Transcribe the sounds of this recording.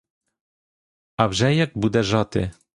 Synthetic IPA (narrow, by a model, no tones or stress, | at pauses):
avʒɛjɛk̚bud̪ɛʒɑt̪ɪ̰